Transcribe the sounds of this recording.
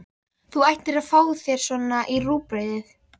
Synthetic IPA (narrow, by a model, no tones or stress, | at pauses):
θuajht̪ɪɾaðfaːwθjɛɾ̥sɔːnːaʔiruːpɾejðɪθ